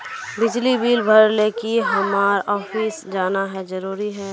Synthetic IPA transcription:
bɪd͡ʒlibiːlbʱəɾleːkiɦɐmaːɾɔːfʰiːsd͡ʒaːnaɦɛd͡ʒəɾuːɾiɦɛː

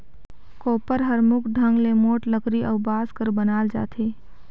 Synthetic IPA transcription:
koːpəɾɦəɾmʊkʰɖʱə̃ŋɡlemoːʈləkɾiʔɐʋbaːskəɾbənaːld͡ʒa̰ːt̪ʰeː

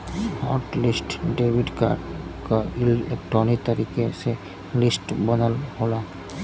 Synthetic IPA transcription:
hɔːɾʈlɪsʈɖewiɖka̰kailek̚ʈɾɔnit̪əɾiːkese | lɪsʈbənəlɦola

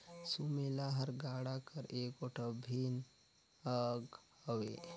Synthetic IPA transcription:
sumelaɦəɾɡaːɽakəɾeːkoʈʰəbʱin | əɡ | əʋḛ

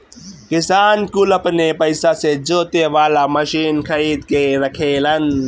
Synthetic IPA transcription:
kɪsaːnkʊlɐpnepɐɪsased͡ʒoːt̪eʋaːlamɐʃiːnkʰɐiːd̪keɾɐkʰeːlɐn

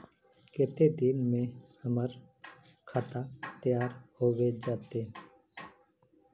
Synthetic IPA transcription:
kɪt̪ed̪ɪnmẽːhəməɾ | kʰaːt̪aːt̪əjaːɾhoːʋed͡ʒaːt̪eː

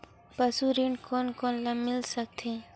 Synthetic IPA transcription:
pəsuɾiɳɖkʰoːnkoːnlamɪlsək̚t̪ʰẽ

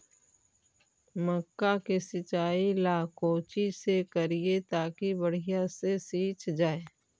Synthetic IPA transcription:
məkːakesɪt͡ʃaːilaːkoːt͡ʃisekəɾiet̪aːkibəɽ̤ɪjasesiːt͡ʃd͡ʒaːeː

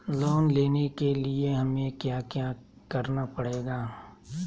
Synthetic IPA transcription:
loːnleːnekelieɦɐmẽkjaːkjaː | kɐɾnapɐɽeːɡaː

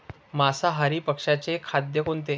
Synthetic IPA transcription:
masaɦaɾiːpəkʂat͡ɕekʰad̪jəkont̪e

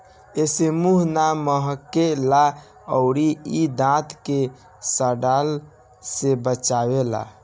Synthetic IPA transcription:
esemuɦnaməɦəkːela | əʊɾiid̪ãt̪ʰke | səɖal | sebət͡ʃawela̰

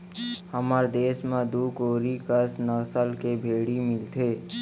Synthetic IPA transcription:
həmaɾd̪eːsmẽd̪uːkoːɾikəsnəɣsəlkebʱeːɽimɪlt̪ʰeː

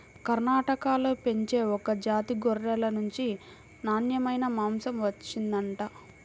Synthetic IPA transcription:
kɐɾnaːʈɐkaːloːpe̞ɲt͡ʃe̞ːɔkɐd͡ʒaːt̪iɡoɾːɛːlɐnuɲt͡ʃi | naːnjɐmɐjnɐmaːmsɐmʋɐt͡ʃːind̪ɐɳʈaː

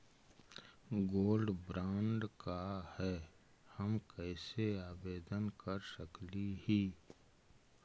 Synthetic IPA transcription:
ɡoːlɖbɾãːɳɖkahɛ | həmkɛːseaːbeːd̪ənkəɾsəklihiː

